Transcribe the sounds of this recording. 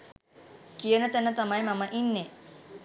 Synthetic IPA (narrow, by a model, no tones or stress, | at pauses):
kijənət̪ænət̪amajmaməʔinːe